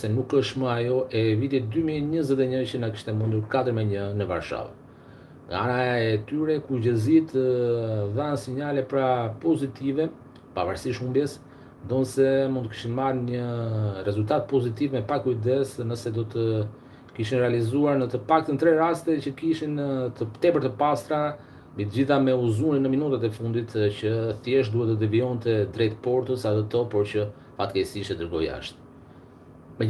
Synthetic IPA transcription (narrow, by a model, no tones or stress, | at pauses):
sɛnukəʃtməajɔʔɛvit̪it̪̚d̪ymiɛɲəzɛt̪̬ɛɲət͡ɕənaki̥ʃt̪ɛmund̪uɾkat̪əɾmɛɲənəva̰ɾʃa̰v | ŋɡa̰anaɛt̪yɾɛkuɟəzit̪əðansiɲalɛpɾapɔzit̪ivɛ | pa̰vaɾsiʃumbjɛs | nd̪ɔnsɛmunt̪əki̥ʃinmaɾɲərɛzulʲt̪at̪̚pɔzit̪ivmɛpakuid̪ɛsnəsɛd̪ɔt̪ə | kiʃinɾɛalizuaɾnət̪əpak̚t̪ənt̪ɾɛɾast̪ɛcəkiʃint̪ət̪ɛpəɾt̪əpast̪ɾa | mbit̪əd͡ʑiθamɛuzuninəminut̪at̪ɛfund̪it̪cəθjɛʃd̪uhɛt̪ːəd̪ɛviɔnt̪ɛd̪ɾɛjt̪pɔɾt̪əsaðɛt̪ɔpɔɾcə | fat̪kɛsiʃɛd̪əɾɡɔja̰ʃt̪ | mɛ